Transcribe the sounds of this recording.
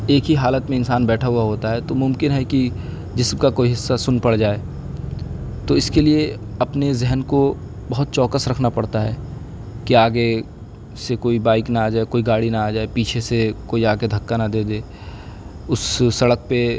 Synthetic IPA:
eːkɦiɦaːlət̪mẽɪnsaːnbɛːʈʰaɦuaɦoːt̪aɦɛt̪omʊ̃mkɪnɦɛki | d͡ʒɪsmkakoːiɦɪsːasʊnpɐɽd͡ʒaːe | t̪oɪskelieɐpnezɛɦənko | bɐɦʊt̪̚t͡ʃɔːkəsɾɐkʰnapɐɽt̪aɦɛː | kiaːɡe | sekoːibaːɪknaaːd͡ʒaːekoːiɡaːɽinaaːd͡ʒaːepiːt͡ʃʰesekoːiaːɡed̪ʱɐkːanɐd̪eːd̪eː | ʊsːɐɽək̚pe

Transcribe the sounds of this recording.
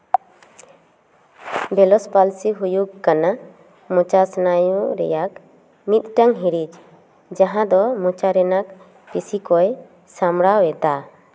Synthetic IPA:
bɛlɔspalsiɦujukːana | mɔt͡ʃasnajuɾɛ̰jak | mit̪̚ʈaŋɦiɾid͡ʒ | d͡ʒaɦãd̪ɔmɔt͡ʃaɾɛnak | pisikɔj | samɽawɛt̪a

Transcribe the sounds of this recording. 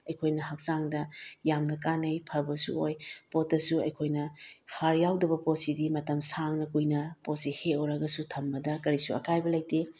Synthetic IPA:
ɐjkʰojnɐhɐk̚saŋdɐjamnɐk̬anɐjpʰɐbɐsṵojpot̚ːɐsuɐjkʰojnɐhaɾjawdɐbɐpot̚sidimɐtɐmsaŋnɐkujnɐpot̚siheoɾɐɡɐsutʰɐmːɐdɐkɐɾisuɐ̰kajbɐlɐjti

